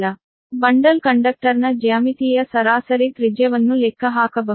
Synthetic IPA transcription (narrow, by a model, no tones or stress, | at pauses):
lɐ | bɐɳɖɐlkɐɳɖɐk̚ʈɐɾnɐd͡ʒaːmit̪iːjɐsɐɾaːsɐɾit̪ɾid͡ʒjɐʋɐnːulɛkʰːɐɦaːkɐbɐ